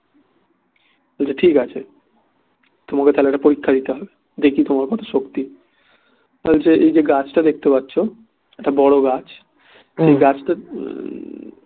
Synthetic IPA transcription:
ɦolt͡ɕʰeʈʰikat͡ɕʰe | t̪omaket̪ʰaɛlaʈapoɾikʰːad̪it̪eɦɔbe | d̪ekʰit̪omaɾkɔt̪ʰḁʃokt̪i | ɦolt͡ɕʰeʔejd͡ʑeɡat͡ɕʰʈad̪ek̚ʰt̪epatːɕʰo | ɛkʈabɔɽoɡat͡ɕ | ʃejɡat͡ɕʰʈa

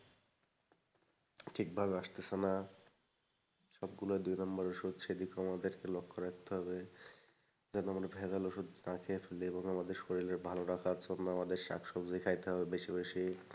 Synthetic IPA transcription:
ʈʰik̚bʱabeaʃt̪esʰena | ʃɔb̚ɡuloed̪ujnɔmbaɾoʃud̪ʃed̪ikoamad̪eɾkelokʰːoɾakʰt̪eɦɔbe | d͡ʑɛnoamɾabʱezaloʃud̪nakʰefelieboŋamad̪eɾʃoɾileɾbʱaloɾakʰat͡ɕʰonːaamad̪eɾʃa̰kʃɔbd͡ʑikʰajt̪eɦɔbebeʃibeʃi

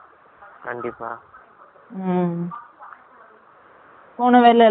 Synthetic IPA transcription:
kɐɳɖɪpːaː | poːnɐʋeːlɛ

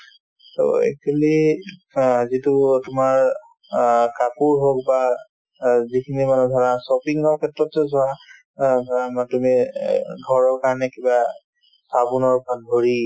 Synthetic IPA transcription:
to̰ḛkʰuli | azitʊtʊmaɹ | kapuɹɦokba | zikʰinimanɛdʱɔɹasɔpiŋɔɹkʰɛtɹɔtzɔzɔwa | tumiɡʱɔɹɔɹkaɹnɛkiba | sabunɔɹbandʱoɹi

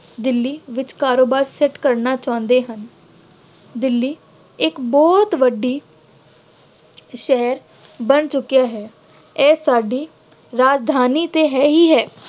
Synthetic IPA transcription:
d̪ɪlːiːʋɪt͡ʃkaːɾoːbaːɾsɛʈkəɾnaːt͡ʃãːnd̪eːɦən | d̪ɪlːiː | ɪkbɔːt̪ʋəɖːiː | ʃɛɦɾ | bənt͡ʃʊkːijaːɦɛː | ɛːsaːɖiː | ɾaːd͡ʒd̪ʱaːniːt̪eːɦɛːɦiːɦɛː

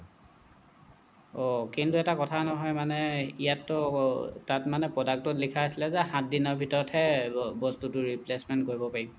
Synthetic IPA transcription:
ɔkintuɛtakɔtʰanɔɦɔjmanɛijatːɔtatmanɛpɹɔdak̚tɔtlikʰaasilɛzɛhãt̚dinɔɹbʱitɔɹɔthɛbɔstutʊɹiplesmɛntkoɹibɔpaɹibɔ

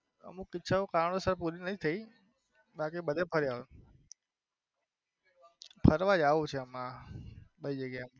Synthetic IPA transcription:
ə̰mũkɪt͡ʃʰaokañosəɾpuɾinəĩt̪ʰəi | ɓak̬iɓəd̪ʱepʰəɾja | pʰəɾʋãd͡ʒaʋũt͡ʃʰeəmã | ɓəid͡ʒəɡjam

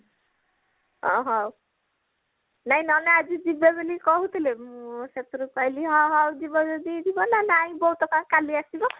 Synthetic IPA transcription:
ɦɔ̰ɦɔw | naĩnɔnead͡ʒid͡ʒibebelikɔɦut̪ʰilemset̪ɾupajliɦɔɦɔwd͡ʒibɔd͡ʒɔd̪id̪ʱibɔnanaĩbɔut̪ɔkãkaliasibɔ

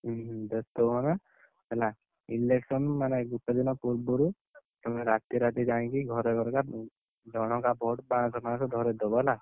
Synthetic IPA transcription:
d͡ʒɔst̪ɔmana | ela | ileksɔnmaneɡuʈːɔd̪inɔpuɾbɔɾu | sɔmɔɾat̪jɾat̪id͡ʒaĩkiɡʱɔɾɔɡɔɾka | d͡ʒɔɽ̃ɔkabʱɔʈbãsɔkasɔd̪ʱɔɾed̪ɔbɔla

